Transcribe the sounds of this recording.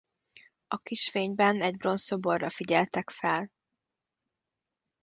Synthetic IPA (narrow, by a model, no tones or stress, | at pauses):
ɒkiʃfeːɲbɛnɛɟ̚bro̞nso̞borːɒfiɟɛlt̪ɛkfɛl